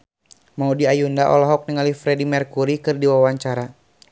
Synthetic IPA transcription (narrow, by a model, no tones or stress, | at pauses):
maudiajundaʔɔ̰lɔɦɔk̚niŋalifɾɛdimɛrkuɾikɨrdiwawaɲt͡ʃaɾa